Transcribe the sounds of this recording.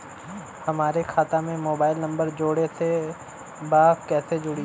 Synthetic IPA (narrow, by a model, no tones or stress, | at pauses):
hɐmaːɾekʰaːt̪ãmẽmoːbaːɪlnɐ̃mbəɾd͡ʒoːɽet̪ʰe | baːkɛːsed͡ʒʊɽi